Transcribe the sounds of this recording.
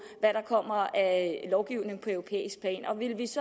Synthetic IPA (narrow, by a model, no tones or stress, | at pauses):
ʋæɾ̥ɑ̈kʰɒ̽m̰ɐælɒʊɡ̥iʊ̰ne̝ŋ̩pʰɒ̽øʊʁo̝pʰḛːisɡ̥̚pʰlɛ̰ːnɒ̽ʋe̝lʋisɒ̽